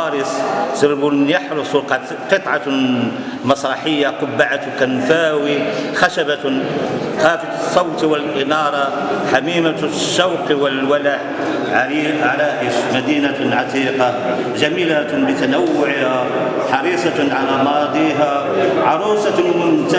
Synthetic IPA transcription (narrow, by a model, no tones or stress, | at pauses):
ɑɾəssəɾbunjɑħɾʊsˤ | qət̪ˤʕɑ | mɑsˤɾˤɑħəjːaqʊbːaʕat̪kænfæːwixæʃæba | xæːfət̪sˤːɑwt̪wəlʔɪnɑɾˤɑ | ħamiːmaʃːawqiwəlwælaħ | ʕʕalaʔəʃmæd̪iːnaʕɑt̪iːqɑ | ʒæmiːlabət̪anawːʊʕha | ħɑɾiːsˤɑʕalamɑd̪ˤiɦa | ʕɑɾˤuːsˤɑmʊnt̪